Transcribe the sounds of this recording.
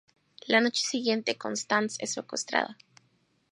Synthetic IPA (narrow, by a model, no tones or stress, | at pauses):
lano̞t͡ʃe̥siɣje̞nt̪eko̰nst̪ansesfokust̪ɾa̰ða